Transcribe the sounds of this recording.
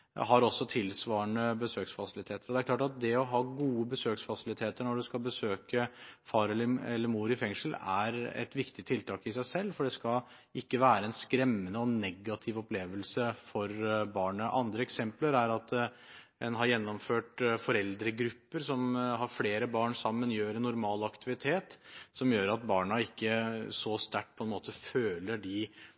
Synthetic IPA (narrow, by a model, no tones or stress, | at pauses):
ɦɑɾɔsːɔt̪ʰɪlsʋɑːəɳəbəsøːksfɑsɪlɪt̪ʰeːt̪əɾɔd̪ɛæɾkʰlɑːʈɑt̪̚d̪ɛɔɦɑːɡuːəbəsøːksfɑsɪlɪt̪ʰeːt̪əɾɳɔɖʉskɑlbəsøːkəfɑːɾɛlːəɛlːəɾmuːɾɪfɛŋʂəl̩æ̰ɾɛ̰t̪ʋɪkt̪ɪt̪ʰɪlt̪ʰɑːkɪsæɪsɛlːfɔɖɛskɑ | ɪkːəʋæːɾəɛnskɾɛmːənəɔnɛɡːɑt̪ʰɪʋɔpleːʋəlsəfɔɾbɑːɳəʔɑ̰nd̪ɾəɛksɛmpləɾæɾɑt̪ | ɛnɦɑɾjɛnːɔmføːʈfɔɾɛld̪ɾəɡɾʉpːəɾsɔmɦɑɾfleːɾəbɑːɳsɑmːənjøːɾɛnːʊɾmɑːlɑkt̪ɪʋɪt̪ʰeːt̪sɔmjøːɾɑt̪̚bɑːɳɑɪkːəsɔst̪æʈ̚ːpʰɔɛnmoːt̪əføːləɖɪ